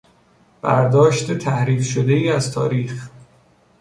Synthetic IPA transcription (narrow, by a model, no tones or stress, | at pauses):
b̥æɾd̪ɒːʃt̪ʰet̪ʰæhɾiːfʃod̪e̞iːæzt̪ʰɒːɾiːx